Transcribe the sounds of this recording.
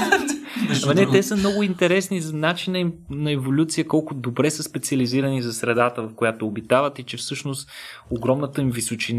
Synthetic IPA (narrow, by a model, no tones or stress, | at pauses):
vɐnɛt̪ɛsəmnɔɡʊint̪ɛɾɛsnizɐnat͡ʃinəimnɐɛvolʲut̪sijəkɔlˠkʊd̪obɾɛsəspɛt̪siəliziɾɐnizɐsɾɛd̪at̪əvɐfkojat̪oːbit̪avət̪it͡ʃɛfsɤʃnost̪ | oɡɾɔmnət̪əimvisot͡ʃin